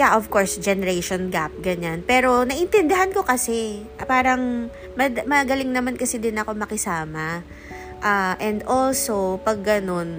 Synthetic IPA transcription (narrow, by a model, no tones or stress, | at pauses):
jaʔofkoɹsd͡ʒɛnɛɾɛʃonɡap̚ɡɐɲanpɛːɾo̞nɐʔɪnt̪ɛnd̪ɪɦanko̞kɐsɛ | paːɾɐŋ | mɐmɐɡɐlɪŋnɐmankɐsɪd̪ɪnɐko̞mɐkɪsaːmɐ | ʔaːʔɛnd̪ʔolsopɐɡːɐno̞n